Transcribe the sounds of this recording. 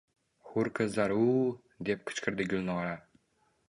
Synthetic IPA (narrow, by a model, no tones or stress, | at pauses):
hʊɾqʰɨzaɾu | d̪e̞p̚qʰɨ̥t͡ʃqʰɨɾd̪ɪɡʊlnɒɾa